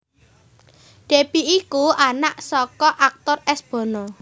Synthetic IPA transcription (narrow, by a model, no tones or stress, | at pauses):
ɖ̥e̤piikuanaʔsɔkɔʔak̚t̪ʊrɛsb̥ɔ̤nɔ